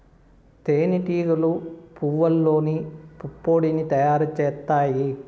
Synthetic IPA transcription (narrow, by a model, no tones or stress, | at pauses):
t̪eːniʈiːɡɐlupuʋɐlːo̞ːnipupːo̞ːɽinit̪ɐjaːɾut͡ʃɛːt̪ːaːji